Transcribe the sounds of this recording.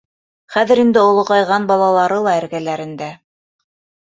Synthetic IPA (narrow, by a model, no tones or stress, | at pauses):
χæðɘ̆ɾind̪ɘŏlˠŏʁɑjʁɑnbɑlˠɑlˠɑɾɤlˠɑæ̆ɾɡælæɾɘ̆nd̪æ